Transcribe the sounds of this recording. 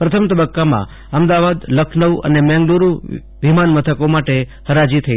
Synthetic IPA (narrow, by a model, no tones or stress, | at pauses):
pɾət̪ʰəmt̪əbəkːamã̰ | əmd̪aʋad̪ləkʰnəʋə̰nemɛ̃ŋɡluɾu | ʋimanmət̪ʰəkomaʈehəɾad͡ʒit̪ʰəi